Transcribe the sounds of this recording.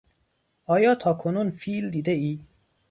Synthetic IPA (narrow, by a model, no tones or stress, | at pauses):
ʔɒːjɒːt̪ʰɒːkʰonuːnfiːld̪iːd̪eiː